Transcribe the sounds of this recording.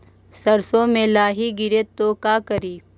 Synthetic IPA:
sɐɾsõmẽlaːɦiɡɪɾeːt̪ːoːkaːkəɾiː

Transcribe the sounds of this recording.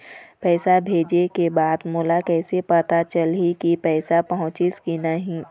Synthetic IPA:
pɛːsabʱeːd͡ʒekebaːd̪moːlakɛːsepɐt̪at͡ʃəlɦikipɛːsapɐɦʊ̃t͡ʃɪskinəɦĩː

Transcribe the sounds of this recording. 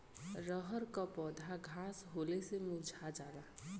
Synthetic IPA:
ɾəɦəɾkapɔːd̪ʱaɡʱasɦolesemud͡ʒʱad͡ʒaːɾa

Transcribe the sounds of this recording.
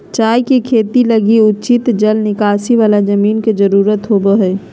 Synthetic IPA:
t͡ʃaːjkikʰeːt̪iləɡiʊtːt͡ʃɪt̪d͡ʒəlnɪkaːsiʋaːlad͡ʒɐmiːnked͡ʒəɾuːɾət̪ɦoːboɦɛː

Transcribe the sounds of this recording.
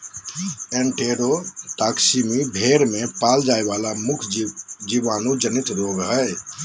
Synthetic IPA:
eɳʈeɾoʈaksimibʱeɾmepald͡ʒaeβalamukʰd͡ʒiʋaːnũd͡ʒənit̪ɾoɡɦə

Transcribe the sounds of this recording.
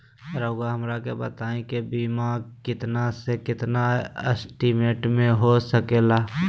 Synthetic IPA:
ɾoːɡaɦəmɾakebət̪aːẽkebiːmakɪt̪nasekɪt̪naesʈimeːʈmẽɦosəkeːlaː

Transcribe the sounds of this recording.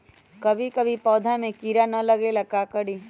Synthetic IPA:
kɐbʱikɐbʱipɔːd̪ʱamẽkiːɾanɐlɐɡelɐkakəɽiː

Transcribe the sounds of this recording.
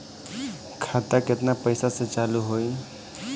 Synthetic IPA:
kʰat̪aket̪napəɪsasẽt͡ʃaluɦoj

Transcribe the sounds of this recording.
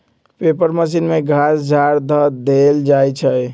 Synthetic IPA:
pepəɾməs̬inmeɡʱasd͡ʒʱaɾd̪ʱəd̪eld͡ʒajt͡ʃʰəj

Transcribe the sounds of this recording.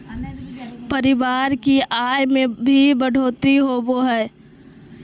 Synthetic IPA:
pəɾɪʋaːɾkiʔaːjmẽbʱibəɖʱoːt̪ɾiɦoːboɦɛː

